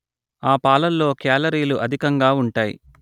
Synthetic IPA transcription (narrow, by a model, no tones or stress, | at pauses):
aːpaːlɐlːo̞ːkɛːlɐɾiːluʔɐd̪ʱikɐŋɡaːuɳʈaːjḭ